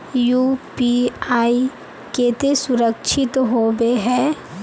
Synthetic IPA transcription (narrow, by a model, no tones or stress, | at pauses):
juːpiaːi | keːt̪esʊɾəkʃʰɪt̪ɦoːbeɦɛː